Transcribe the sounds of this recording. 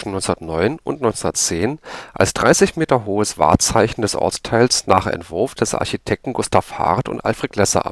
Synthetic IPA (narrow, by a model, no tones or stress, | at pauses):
ʃn̩nɔʏnt͡ssndɐtnɔʏnʊ̰ntnɔʏnt͡snd̪ɐtt͡seːnʔa̰lsd̥ʁaɪsɪçmeːtɐɦoːəsv̥a̰ːɐt͡saɪçn̩dɛsʔɔ̰ɐt͡stʰaɪlsnaːχɛ̰ntv̥ʊɐfd̥ɛsʔa̰ɐçitʰɛk̚tn̩ɡʊstʰaːfha̰ʁtʊ̰ntʔa̰lfʁ̥eːtlɛsɐ̰ʔa̰